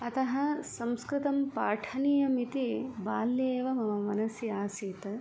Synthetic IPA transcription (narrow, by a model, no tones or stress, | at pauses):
ɐt̪ɐɦɐ̆sɐmskɾɪt̪ɐmpaːʈʰɐnijɐmit̪ibaːlːeːʋɐmɐmɐmɐnɐsjɐaːsiːt̪ɐ